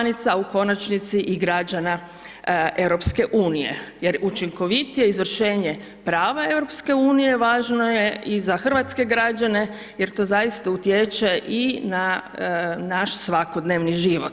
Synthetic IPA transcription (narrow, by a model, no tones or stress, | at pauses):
nit̪sauko̞nat͡ʃnit̪siʔiɡɾad͡ʒana | ʔe̞ʋɾo̞pske̞ʔuːnije̞̰jeɾut͡ʃiŋko̞ʋit̪ije̞izʋr̩ʃe̞ːɲe̞ | pɾaːʋae̞ʋɾo̞pske̞uːnije̞ʋaːʒno̞je̞izaxr̩ʋat̪ske̞ɡɾad͡ʒane̞ | jeɾt̪o̞ːzajist̪aut̪jet͡ʃeʔina | naʃsʋako̞d̪neːʋniʒiʋot̪